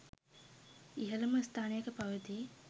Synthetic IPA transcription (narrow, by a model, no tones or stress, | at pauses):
iɦɐlɐməst̪ʰaːnejəkəpɐʋət̪i